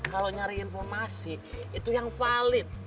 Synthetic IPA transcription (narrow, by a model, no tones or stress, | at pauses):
kaloɲaɾɛinfɔrmasi | it̪ujaŋfalɪt̪̚